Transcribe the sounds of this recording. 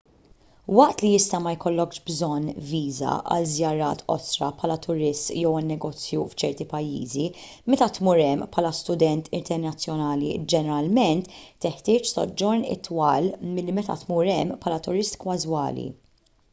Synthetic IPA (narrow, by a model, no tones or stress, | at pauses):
wɐʔt̪liɪst̪ɐmɐjkɔlːɔkʃbzɔnːviːzɐ̰ʔɐ̰lzjɐɾɐːt̪ɔ̰sɾɐ̰pħɐːlɐt̪ʊɾɪst̪jɛwɪnːɛɡɔːt͡sjuft͡ʃɛɾt̪ipɐjːḭːzi | mɛt̪ɐt̪muːɾɛmːpħɐːlɐst̪ʊd̪ɛnt̪ʰɪnt̪ɛɾnɐt͡sːjɔnɐːlḭd͡ʒɛnɛɾɐlmɛnt̪ːɪħt̪ɪːt͡ʃsɔ̰d͡ʒːɔɾnɪ̰t̪ːwɐːlmɪlːimɛt̪ɐ̰t̪muːɾɛmːpʰħɐːlɐt̪ʊɾɪst̪kwɐzwɐ̰ːlḭ